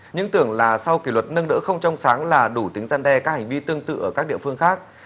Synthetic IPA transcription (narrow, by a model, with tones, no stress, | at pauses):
ɲɨ̰˧˥ŋt̪ɨ˧˩əŋlaː˨˩sa˧wki˧˩lwə˨˩t̚nə˧nɨ̰˧˥xə˧wŋ͡mt͡ɕɔ˧wŋ͡msaː˨˦ŋlaː˨˩ɗu˧˩t̪ï˨˦ŋ̟zaː˧nɗɛ˧kaː˦˥k̚ha˨˩ŋ̟vi˧t̪ɨ˧əŋt̪ɨ̰˧˨ʔəː˧˩kaː˦˥k̚ɗḭ˧˨əfɨ˧əŋxaː˦˥k̚